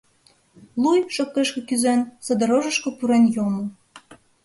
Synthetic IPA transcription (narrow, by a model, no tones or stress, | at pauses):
lujʃokːeʃkĕkyzensɤ̆d̪ɤ̆ɾoʒə̆ʃkŏpuɾenjomo